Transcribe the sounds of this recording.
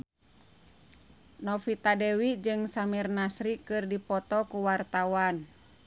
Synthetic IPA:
nɔfit̪adɛwid͡ʒɨŋsamirnasɾikɨrdipɔt̪ɔkuwart̪awan

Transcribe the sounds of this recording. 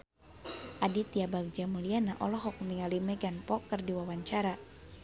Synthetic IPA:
ʔadit̪iabaɡ̚d͡ʒamulianaʔɔlɔɦɔk̚miŋalimɛɡanpɔkːərdiwawaɲt͡ʃaɾa

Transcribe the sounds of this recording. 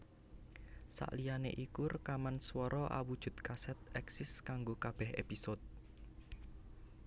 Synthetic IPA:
sa̰ʔlijanḛʔikʊrkamanswɔɾʔɔʔa̰wud̥ʒ̥ṳt̪̚kasɛt̪̚ɛksɪskaŋɡokab̥ɛɦḛpisot̪̚

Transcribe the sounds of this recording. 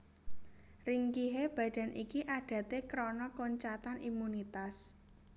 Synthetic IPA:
riŋkiɦeb̥ä̤ɖ̥a̤nʔikiʔaɖ̥ä̤t̪ekɾɔnɔkoɲt͡ʃat̪animunit̪as

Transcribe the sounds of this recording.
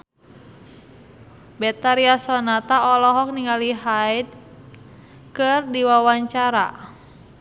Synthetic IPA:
bɛt̪aɾiasɔnat̪aɔlɔɦɔk̚niŋaliɦaid̚ | kɨrdiwawaɲt͡ʃaɾa̰

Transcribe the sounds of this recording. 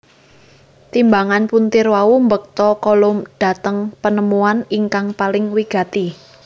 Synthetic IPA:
t̪imbaŋanpunt̪ɪrwaumbək̚t̪ɔkɔlʊmɖ̥a̤t̪əŋpənəmuaniŋkaŋpalɪŋwiɡ̥a̤t̪i

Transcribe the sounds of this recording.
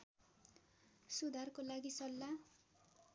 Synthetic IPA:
sud̪ʱarkolaɡisʌlːa

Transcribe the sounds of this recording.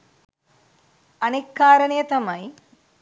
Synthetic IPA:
ɐneːkːaːɾɐɳijɐt̪ɐmɐj

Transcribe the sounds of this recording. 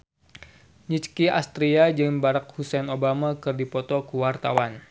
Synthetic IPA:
ɲit͡ʃkiast̪ɾiad͡ʒɨŋbaɾak̚husɛnobamakɨrdipɔt̪ɔkəwart̪awan

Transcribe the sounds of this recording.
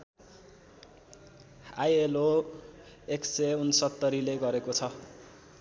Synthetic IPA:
ajelo | ekseunsʌt̪ːʌɾileɡʌɾekot͡sʰʌ

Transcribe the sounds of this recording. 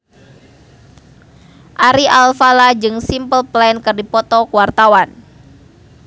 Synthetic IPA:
ʔaɾiʔalfalad͡ʒɨŋsimpəlplankɨrdipɔt̪ɔkuwart̪awan

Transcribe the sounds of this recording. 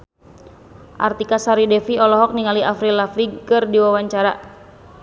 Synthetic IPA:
ʔa̰rt̪ikasaɾidɛfiɔlɔɦɔk̚niŋaliʔafɾilafliɡkɨrdiwawaɲt͡ʃaɾa

